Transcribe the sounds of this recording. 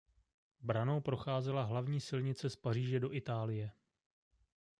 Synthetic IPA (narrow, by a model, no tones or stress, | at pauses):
bɾanowpɾo̞xaːzɛlaɦlavɲiːsɪlɲɪt͡sɛspariːʒɛdo̞ʔɪt̪aːlɪjɛ